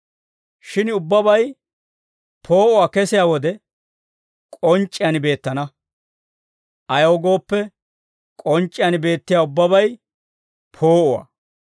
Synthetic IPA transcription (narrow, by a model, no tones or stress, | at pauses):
ʃɪnʊbːɐbɐj | pʰo̞ːʔʊwaːkɛsɪjaːwɔd̪ɛ | kʼɔnt͡ʃʼːɪjanbe̞ːt̪ːɐnɐ | ʔɐjɐwɡo̞ːpːɛ | kʼɔnt͡ʃʼːɪjanbe̞ːt̪ːɪjaːʊbːɐbɐj | pʰo̞ːʔʊwa̰